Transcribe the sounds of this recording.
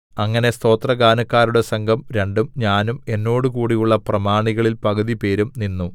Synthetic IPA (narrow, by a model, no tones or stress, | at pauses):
ɐŋːɐne̞st̪o̞ːt̪rɐɡaːnɐkːaːɾuɽe̞sɐŋɡʱɐmɾe̞ɳɖumɲaːnume̞nːo̞ːɽukuːɽijuɭːɐprɐmaːɳiɣɐɭilpɐɣɐðipe̞ːɾumninːu